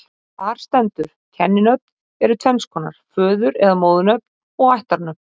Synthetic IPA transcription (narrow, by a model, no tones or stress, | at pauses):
aːɾ̥st̪ɛnt̪ʏɾ̥cʰɛnːɪnœt̪ | ɛɾʏt̪ʰɛnskʰɔːna̰ɾ̥fœːðʏɾɛðamoːwðʏnœp̚n | ɔɣajht̪aɾnœp̚n̥